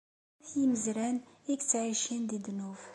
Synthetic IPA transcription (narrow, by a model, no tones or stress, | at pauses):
iməzɾænikt̪ʕiʃind̪id̪nuf